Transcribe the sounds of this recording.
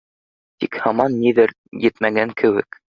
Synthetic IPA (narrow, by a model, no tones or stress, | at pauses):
t̪ikhɑmɑnːiðɘɾ | jɘt̪mæɡæŋkʰɘ̆wɘ̰k